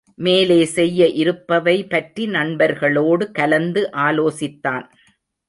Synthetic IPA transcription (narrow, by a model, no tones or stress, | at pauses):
meːleːsɛjːɐʔɪɾɯpːɐʋɐɪpɐʈrinɐɳbɐɾɣɐɭoːɽɯkɐlɐnd̪ɯʔaːloːsɪt̪ːaːn